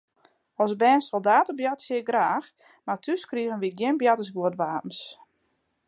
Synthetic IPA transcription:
ɔsbɛːnsolˠdaːtəbjatsjɪɡraːx | matʰyskriəɣənʋit̚ɡjɪnbjatəsɡuətʋaːtn̩s

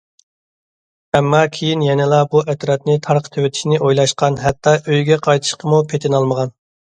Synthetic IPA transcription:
ɛmːɑkʲʰejinjɛnɪlˠɑbuʔɛt̪ɾɑt̪nɪt̪ʰɑɾqʰt̪ʰøwɪt̪ʰɪ̥ʃnɪʔojlˠɑʃqɑnɦɛt̪ːɑʔøjɡʲɛqʰɑjt̪ʰɨ̥ʃqəmupʰet̪ʰɪnɑlˠməʁɑn

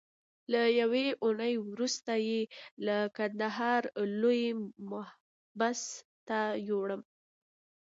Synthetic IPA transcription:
lajaweʔunəjwɾust̪ajelakand̪aɦɑɾlojmʊh | bas | t̪ajoɽəm

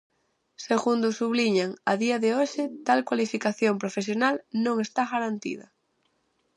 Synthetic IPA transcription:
seɣund̪ʊsuβliɲaŋaðiaðeoʃɪt̪alkwalifikaθjompɾofes̬jonalnõŋest̪aɣaɾant̪ḭð̞ɐ

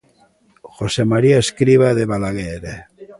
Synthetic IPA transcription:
xosemaɾiaeskɾiβ̞aðeβalaɣeɾe

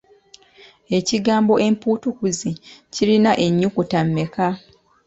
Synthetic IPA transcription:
e̞ciɡaːmbo̞ʔe̞mpuːtukuzicilinaʔe̞ɲːukutamːe̞ka

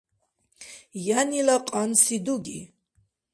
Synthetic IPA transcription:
janilaqʼansid̪uɡi

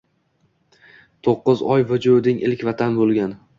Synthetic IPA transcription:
t̪ʰoqːɨzɒjvʊd͡ʒud̪ɪŋʔɪlkʲvat̪ʰanbolˠɡʲan

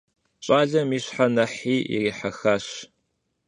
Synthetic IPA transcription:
ɕʼaːɮɐmiːɕħanɐħiːḭriːħɐxaːɕ

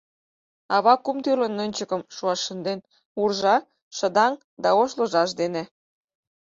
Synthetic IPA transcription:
ɑβɑkumt̪ylə̆nːønʲt͡ɕəkə̆mʃuɑʃə̆nd̪en | urʒɑ | ʃə̆d̪ɑŋ | d̪ɑoʃlə̆ʒɑʃ̬d̪enĕ

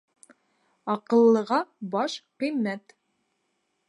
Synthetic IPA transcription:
ɑqɤ̆lˠːɤ̆ʁɑbɑʃqĭjmæt̪

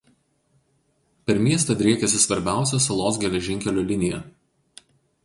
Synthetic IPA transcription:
pʲɛɾmʲiɛst̪ɐd̪ʲɾʲiɛkʲɛsʲɪsʋɐɾʲbʲæˑʊsʲosɐlˠoːsɡʲɛlʲɛʒʲɪŋʲkʲɛlʲuːlʲɪnʲɪjɛ

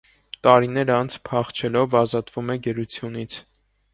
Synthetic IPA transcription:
t̪ɑɾinɛɾɑnt͡sʰpʰɑχt͡ʃʰɛlɔvɑzɑt̪vumɛɡəɾut͡sʰjun̪it͡sʰ

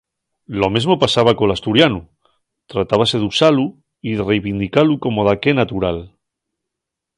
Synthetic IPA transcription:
lomezmopasaβ̞akolast̪uɾjanu | t̪ɾat̪aβ̞ase̞ðusalu | iðerejβind̪ikalukomoð̞akenat̪uɾal

